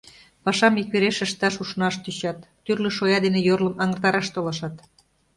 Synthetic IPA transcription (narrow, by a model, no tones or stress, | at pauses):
pɑʃɑmikβeɾeʃə̆ʃt̪ɑʃuʃnɑʃt̪yɕɑt̪ːyrlĕʃojɑd̪enejorlə̆mʔɑŋə̆rt̪ɑɾɑʃt̪olɑʃɑt̪